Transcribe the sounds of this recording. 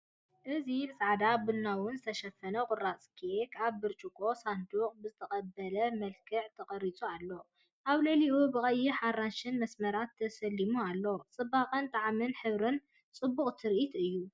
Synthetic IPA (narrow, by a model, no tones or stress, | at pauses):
ʔɨzibɨsʼaʕd̪abɨnːawʊnzɨt̪ʰɐʃɐfɐnɐkʼʊɾat͡sʼkʰekaβːɨɾt͡ʃʼukʰʼo̞sand̪uqʼbɨzɨt̪ʰɐχʼɐbːɐlɐmɐlkʰɨʕt̪ʰɐχʼɐɾit͡sʼualːo̞ | ʔaβlɐliʔubɨkʼɐjːiħarːaʃɪnmɐsmɐɾat̪ʰːɐsɐlːimualːo̞t͡sʼɨbːaqʼɐnt̪ʼaʕmɨnħɨβɾɨn | t͡sʼɨbːuχʼt̪ʰɨɾʔit̪ʰɨjːu